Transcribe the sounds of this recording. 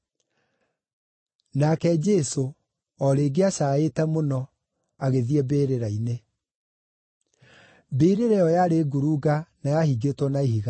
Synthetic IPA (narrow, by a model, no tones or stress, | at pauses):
nakɛd͡ʒɛso | ɔɾeːɡeaɕaːetɛmonɔ | aɣeðiɛbeːɾeɾaine | beɾeɾɛɔjaɾeɡuɾuːɡanajahiɡetwɔnaiɦiɣa